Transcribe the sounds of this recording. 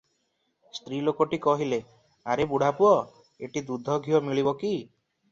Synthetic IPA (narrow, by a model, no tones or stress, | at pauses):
st̪ɾilokoʈikɔɦile | aɾebuɽ̤apuɔ | eʈid̪ud̪ʱɔɡʱiɔmiɭibɔki